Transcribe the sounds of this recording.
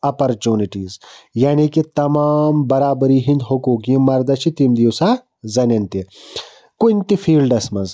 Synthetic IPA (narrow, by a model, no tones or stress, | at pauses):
ɐpɐɾt͡ʃuːniʈiːzjaːnikit̪ɐmaːmbɐɾaːbɐɾiːɦind̪ɦokuːkiĩmɐɾd̪ɐt͡ʃʰit̪imd̪iusaː | zɐnɐnt̪i | kunt̪ifʰiːlɖɐsmɐnz